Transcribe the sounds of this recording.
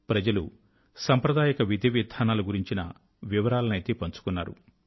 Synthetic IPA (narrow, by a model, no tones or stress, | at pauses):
pɾɐd͡ʒɐlṵ | sɐmpɾɐd̪aːjɐkɐʋid̪ʱiʋiːd̪ʱaːnaːluɡuɾiɲt͡ʃinɐ̰ | ʋiʋɐɾaːlɐnɐjt̪epɐɲt͡ʃu̥kunːaːɾṵ